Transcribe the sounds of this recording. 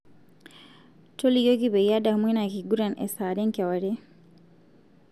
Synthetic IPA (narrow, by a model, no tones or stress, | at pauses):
tolijoɡibɛjadamwinakiɡuɾanʔɛ̰saːdɛŋkɛwaɾɛ